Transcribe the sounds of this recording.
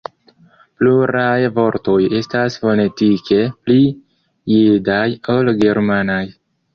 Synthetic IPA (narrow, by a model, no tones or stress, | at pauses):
pluɾajvo̞ɾto̞je̞stasfo̞ne̞tikʰe̞pli | jedajo̞lɡe̞ɾmanaj